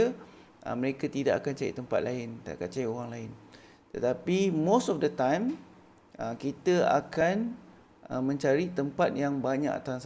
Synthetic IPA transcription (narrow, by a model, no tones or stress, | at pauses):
ə | ʔə̰məɾekat̪ida̰ʔakant͡ʃaɾḭt̪əmpa̰t̪̚laɪnt̪a̰ʔkant͡ʃaɾioɣaŋlaɪn | t̪ət̪apimosɔfdət̪ãjm | əkit̪əa̰kan | əmə̃ɲt͡ʃaɾit̪əmpat̪̚jaŋbaɲa̰ka̰t̪aŋs